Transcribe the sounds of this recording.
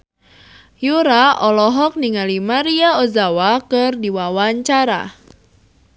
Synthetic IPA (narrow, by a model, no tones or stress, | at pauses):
juɾaɔlɔɦɔk̚niŋalimaɾiaozawakɨrdiwawaɲt͡ʃaɾa̰